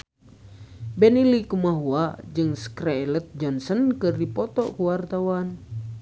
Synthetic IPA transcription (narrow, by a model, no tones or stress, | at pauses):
bɛnilikumaɦuad͡ʒɨŋskɾɛlət̪̚d͡ʒɔnsənkɨrdipɔt̪ɔʔkuwart̪awan